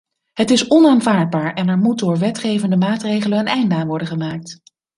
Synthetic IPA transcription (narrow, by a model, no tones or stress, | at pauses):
ɦətɪsɔnaːnvaːɹd̚baːɹɛnɛɹmut̚dʊːɹʋɛtχejvəndəmaːtrejχələnənɛjndəaːnʋɔɹdənχəmaːk̚t